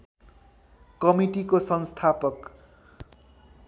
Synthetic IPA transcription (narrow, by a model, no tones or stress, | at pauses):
kʌmiʈikosʌnst̪ʰapʌk